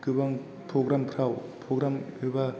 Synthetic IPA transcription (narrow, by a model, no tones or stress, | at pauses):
kɯbaŋ | pʰɾoɡɾampʰɾawpʰɾoɡɾamɯba